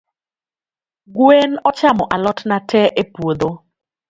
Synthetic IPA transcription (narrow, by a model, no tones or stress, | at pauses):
ɡwenɔt͡ʃamɔʔalɔtnatʰɛʔepwod̪o